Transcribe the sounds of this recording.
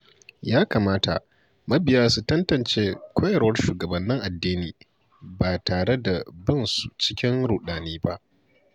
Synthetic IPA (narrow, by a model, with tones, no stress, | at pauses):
jaː˦kaː˨maː˦ta̰˨ʔ | mɐ˦bɪ˨jaː˦su˦tɐ˦ntɐ˨nt͡ʃeː˦kʷʰoː˦jɐ˨ɾwɐ˦rʃuː˨ɡɐ˨bɐ˨nːɪ˦ŋʔa˨dːiː˦niː˨ | baː˨taː˨ɽe˦da˨bɪ˦˨nsu˨t͡ʃɪ˦kʲɪ˦ŋɾu˨ɗaː˨niː˦ba˦ʔ